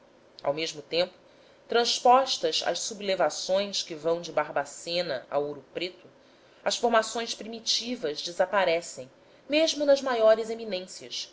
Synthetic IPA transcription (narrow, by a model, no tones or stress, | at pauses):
a̰wmeʒmʊt̪ẽmpʊ̥ | t̪ɾɐ̃spɔʃt̪ɐzɐ̰ʃsublevasõj̃skɪvɐ̃w̃d͡ʒɪbaɾbasẽnɐ̰a̰wowɾʊpɾet̪ʊ | ɐsfoɾmasõj̃spɾimit͡ʃivɐzd͡ʒɪzapaɾɛsẽj̃ | meʒmʊnɐzmajɔɾɪzeminẽsiɐs